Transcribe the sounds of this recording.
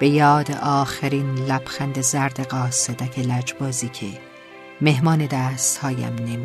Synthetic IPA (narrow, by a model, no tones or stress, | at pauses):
b̥e̞jɒːd̪eʔɒːxeɾiːnlæb̥xænd̪ezæɾd̪eɣɒːsed̪æcʰelæd͡ʒbɒːziːcʰḛ | me̞ɦmɒːne̞d̪æːst̪hɒːjæ̰mnemi